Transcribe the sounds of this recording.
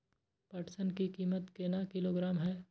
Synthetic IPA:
pɐʈsənkikiːmət̪keːnakɪloːɡɾaːmɦɛː

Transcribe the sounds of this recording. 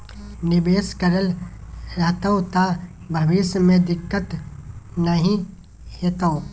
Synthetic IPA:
nɪbeːskəɾəlɾɐɦt̪oot̪a | bʱɐʋɪʃmẽd̪ɪkːət̪nəɦĩ | heːt̪oo

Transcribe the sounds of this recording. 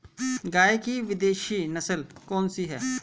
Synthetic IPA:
ɡaːekiʋɪd̪eːʃinɐsəlkɔːnsiɦɛ̰ː

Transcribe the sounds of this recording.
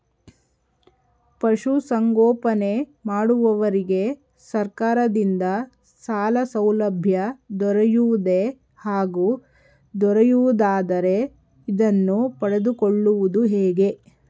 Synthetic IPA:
pɐʂusɐŋɡɔːpɐne̞maːɽuʋɐʋɐɾiɡe̞ | sɐɾkaːɾɐd̪ind̪ɐ | saːlɐsɐwlɐbʱjɐd̪ɔɾɐjuʋud̪e̞ | haːɡu | d̪ɔɾejuʋud̪aːd̪ɐɾe̞ | id̪ɐnːupɐɽed̪ukoɭːuʋud̪uɦɛːɡe̞

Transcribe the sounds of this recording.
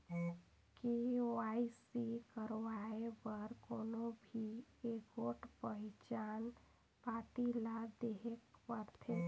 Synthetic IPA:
keoaisikəɾʋaepəɾkoːnobʱieɡoːʈpəɦɪt͡ʃaːn | paːʈilad̪eɦekpəɾt̪ʰe

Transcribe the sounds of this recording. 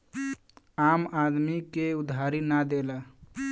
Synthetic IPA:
amad̪mikeud̪ʱaɾinad̪ela

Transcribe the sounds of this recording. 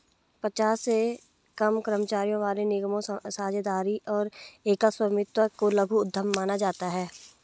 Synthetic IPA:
pət͡ʃaːsːe | kəmkəɾəmət͡ʃaːɾijõʋaːlenɪɡəmõsaːd͡ʒd̪aːɾiʔɔːɾeːkəswəmɪt̪wəkoləɡʱuʊd̪ʱːəmːaːnad͡ʒaːt̪aɦɛː

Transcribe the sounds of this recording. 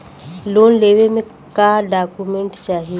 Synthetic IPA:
loːnleːʋemẽ | kaːɖaːkumẽɳʈt͡ʃaːɦie

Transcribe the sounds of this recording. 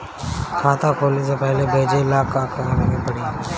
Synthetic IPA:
kʰaːt̪ãːkʰoːliːseːpəɦleːbʱeːd͡ʒeːlaːkaːkʰənãːneɡẽːpəɽiː

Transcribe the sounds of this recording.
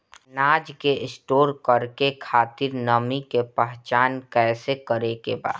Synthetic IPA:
naːd͡ʒkeʔɪsʈoːɾkəɾkekʰaːt̪ɪɾnəmikepɛɦt͡ʃaːnkɛːsekəɾekeba̰ː

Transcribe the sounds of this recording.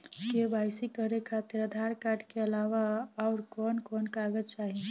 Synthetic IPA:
kebaɪsikəɾekʰat̪ɪɾəd̪ʱaɾkaɖkeəlaʋaɔʊɾkɔnkɔnkaɡəd͡ʒt͡ʃaːɦi

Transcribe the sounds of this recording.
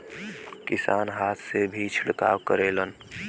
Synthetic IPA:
kisa̰nɦat̪ʰsebʱit͡ʃʰiɽka̰ʋkəɾelən

